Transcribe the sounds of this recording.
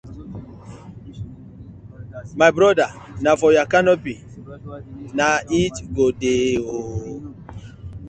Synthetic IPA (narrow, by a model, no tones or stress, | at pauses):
majbɾɔda | nafɔjakanɔpi | naitɡodeo